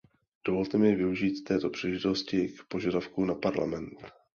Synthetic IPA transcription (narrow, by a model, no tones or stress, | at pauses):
d̥o̞vo̞lt̪ɛmɪvɪuʒiːt̪t̪ːɛːt̪o̞pr̝̥ilɛʒɪt̪o̞scɪkpo̞ʒadafkunapaɾla̰mɛnt̪